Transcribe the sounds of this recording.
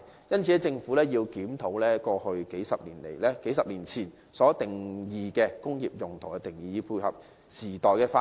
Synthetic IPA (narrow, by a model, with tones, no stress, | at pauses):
jɐ˥nt͡sʰiː˨˥ɛ˥t͡sɪ˧ŋfu˨˥lɛː˥jiː˧wkiː˨˥mt̪ʰo˨˥wlɛː˥kɔː˧hɵ˧ɥke˨˥jsɐ˨p̚liː˨˩nlḛ˨˩jlɛː˥ke˨˥jsɐ˨p̚liː˨˩nt͡sʰiː˨˩n | sɔː˨˥t̪ɪ˨˩ŋjiː˨kɛː˧kʊ˥ŋjiː˨˩p̚jʊ˨˩ŋt̪ʰʊ˨˩kɛ˧t̪ɪ˨˩ŋjiː˨˧jiː˨˧˥pʰuː˧jhɐ̰˨p̚ | siː˨˩t̪ɔː˨jkɛː˧faː˧